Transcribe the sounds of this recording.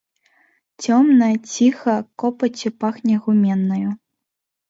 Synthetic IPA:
t͡sʲɔmnɐjɐt͡sʲixɐkɔpɐt͡sʲupaxnʲɐɣumʲɛnːɐju

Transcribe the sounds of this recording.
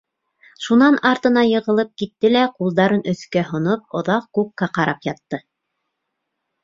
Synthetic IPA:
ʃunɑnɑɾt̪ɤ̆nɑjɤ̆ʁɤ̆lˠɤp̚kit̪ːɘlæqulˠd̪ɑɾɤnʔɵ̆θkæɦŏnop̚ŏðɑq̚kukːɑqɑɾɑpjɑt̪ːɤ

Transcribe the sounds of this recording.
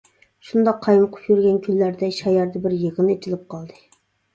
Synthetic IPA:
ʃund̪ɑqʰːɑjməqʰʊ̥pʰjyɾɡʲɛnkʲʰylːæɾd̪ɛʃɑjɑɾd̪ɛbɪɾjəʁənet͡ʃʰilɪp̚qʰɑlˠd̪ɨ

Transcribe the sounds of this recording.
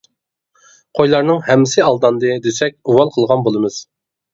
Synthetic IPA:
qʰojlˠɑɾnɨŋhɛmːɪsɪɑlˠd̪ɑnd̪ɨd̪øsɛk̚ʲuwɑlˠqʰəlˠʁɑnbolˠɨmɨz̥

